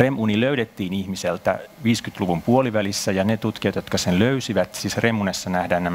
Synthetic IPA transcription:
remʔuniløyɾet̪ːiːnihmiselt̪æ̰ʋiːskyt̪luʋumpuoliʋælisːæjɑnet̪ut̪kiɑt̪jot̪kɑsenløysiʋæt̪siːsremːunesːɑnæhdæːnnæm

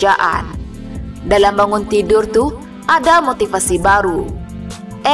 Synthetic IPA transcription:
d͡ʒaʔa̰n | dalambaŋʊnt̪idʊrt̪uh | ʔadamot̪ifasibaɾu | ʔɛ

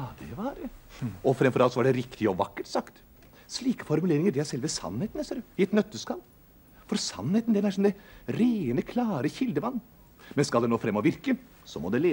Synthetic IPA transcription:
d̪ɛʋɑɾɔfɾɛmfɔɾɑlt̪sɔʋɑɖɛɾɪkt̪ɪɔʋɑkːəʈsɑkt̪ | sɭiːkə̥fɔɾmʉleːɾɪŋəɖ̪ɪæsɛlʋəsɑ̰nːheːt̪ənɛsɾɪɛt̪nœt̪ːəskɑl | fɔɾsɑ̰nheːt̪nd̪ɛnæɾʂɔmd̪ɛɾeːənəkʰlɑːɾəçɪld̪əʋɑnː | mɛnskɑld̪ɛnoːfɾɛmːɔʋɪɾkə | sɔmɔd̪ɛleː

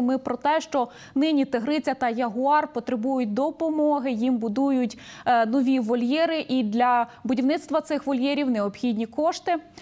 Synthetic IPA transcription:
mɪpɾɔt̪ɛʃt͡ʃɔ | nɪnʲit̪eɦɾɪt͡sʲɐt̪ɐjɐɦʊɑrpɔt̪ɾebujʊt̚ʲd̪ɔpɔmɔɦɪjimbʊd̪ujʊtʲnɔʋʲiʋɔlʲjɛɾɪʔid̪lʲɐbʊdʲiwnɪt̪st̪ʋɐt̪sɪxʋɔlʲjɛɾʲiwneɔbxʲidʲnʲikɔʃt̪ɪ

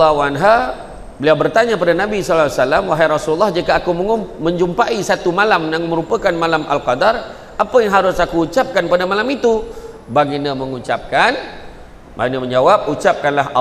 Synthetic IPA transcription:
awanɦa | bəliawbərt̪aɲapadanabisɔlaasalamwaɦajɾɔsululːɔhd͡ʒikaːkummə̃ɲd͡ʒumpaisat̪umalamjaŋməɾupakanmalamʔa̰lqɑdar | ʔapajaŋɦaɾʊsakuːt͡ʃap̚kanpadamalamit̪u | baɡinaməŋut͡ʃap̚kan | ba̰inaməɲd͡ʒawap̚ut͡ʃap̚kanlaɦ

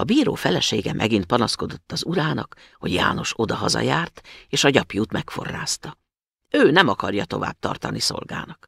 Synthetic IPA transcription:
ɒbiːɾoːfɛlɛʃeːɡɛmʔɛɡint̪̚pɒnɒsko̞d̪o̞t̪ːɒzuɾaːnɒk | ho̞ɟja̰ːno̞ʃo̞d̪ɒɦɒzɒ̰jaːrt̪eːʃɒɟɒpjuːt̪mɛkfo̞rːaːst̪ɒ | øːnɛmɒkɒrjɒt̪o̞va̰ːb̚t̪ɒrt̪ɒniso̞̰lɡaːnɒk

